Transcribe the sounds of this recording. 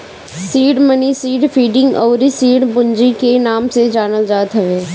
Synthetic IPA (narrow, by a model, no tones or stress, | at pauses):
siːɖmənisiːɖfʰiːɖɪ̃ŋɡɔːɾisiːɖbʊnd͡ʒikenaːmsed͡ʒaːnəld͡ʒaːt̪ɦɛʋeː